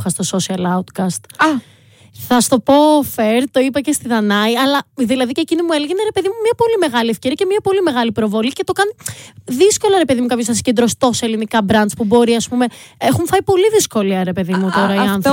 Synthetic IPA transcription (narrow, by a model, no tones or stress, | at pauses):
xɐst̪o̞so̞siɐlɐut̪kɐst̪ | θɐst̪o̞po̞feɾt̪o̞ipɐce̞st̪iðɐnɐiɐlɐðilɐðicecinimueleʝeneɾe̞pe̞ðimumɲɐpo̞lime̞ɣɐliefceɾiɐcemɲɐpo̞lime̞ɣɐlipɾo̞vo̞lice̞t̪o̞kɐniðisko̞lɐɾe̞pe̞ðimukɐpçosɐsi̥cend̪ɾo̞st̪o̞selinikɐbɾɐnd̪spubo̞ɾiɐspume̞exuɱfɐipo̞liðisko̞liɐɾe̞pe̞ðimut̪o̞ɾɐiɐnθo